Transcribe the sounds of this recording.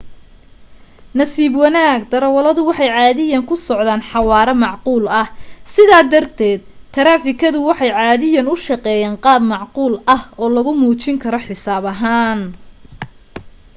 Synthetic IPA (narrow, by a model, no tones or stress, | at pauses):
nɐsiːbwɑnaːɡd̪ɐɾɐwɐlɐðʊwɑħɑjʕɑːðɪjɐŋkʰʊsɔʕd̪aːnħɑwɑːɾɛmɑʕquːlɐhsɪðaːd̪ɐrt̪ʰɛːd̪̚t̪ʰɐɾaːfɪkʰɐðʊwɑħɑjʕɑːðɪjɐnʊʃɑqɛːjaːnqɑːbmɑʕquːlɐhɔːlɐɣʊmuːt͡ʃɪŋkʰɐɾɔħɪsaːβɐɦaːn